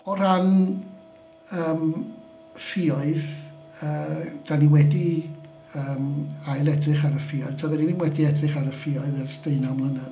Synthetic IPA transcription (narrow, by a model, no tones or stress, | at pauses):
ɔɾan | əːm | fɪɔɨð | əːd̥aniwɛdi | əːmajlˠɛdrɪχaɾəfɪɔɨð̥tʰavɛɾininwɛdiɛdrɪχaɾəfɪɔɨðərsteɨnamlˠənə